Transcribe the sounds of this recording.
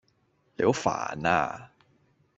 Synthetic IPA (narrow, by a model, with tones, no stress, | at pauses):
le˨˧ho˨˥fa̰ː˨˩na̰ː˧